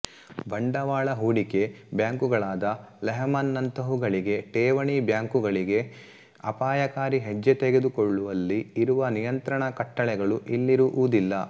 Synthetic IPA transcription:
bɐɳɖɐʋaːɭɐɦuːɽike̞bjaːŋkuɡɐɭaːd̪ɐlɛɦɐmɐnːɐnt̪ɐɦuɡɐɭiɡe̞ʈeːʋɐɳibjaːŋkuɡɐɭiɡe̞ | ɐpaːjɐkaːɾiɦed͡ʒːet̪eɡed̪ukɔɭːuʋɐlːiːɾuʋɐnijɐnt̪ɾɐɳɐkɐʈːɐɭɛɡɐɭuʔilːiɾuʔuːd̪ilːɐ

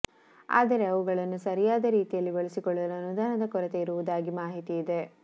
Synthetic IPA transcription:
a̰ːd̪ɐɾe̞ɐʋuɡɐɭɐnːusɐɾijaːd̪ɐɾiːt̪ijɐlːiboɭisikɔɭːɐluɐnud̪aːnɐd̪ɐkɔɾɐt̪eiɾuʋud̪aːɡimaːɦit̪iːd̪e̞

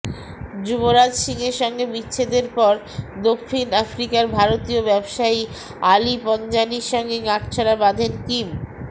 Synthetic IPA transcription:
d͡ʑuboɾad͡ʑʃiŋeɾʃɔŋɡebitːɕʰed̪eɾpɔɾ | d̪okʰːinafɾikaɾbʱaɾot̪iobɛbʃai | alipɔnd͡ʑaniʃɔŋɡeɡaʈt͡ɕʰaɾabad̪ʱenkim

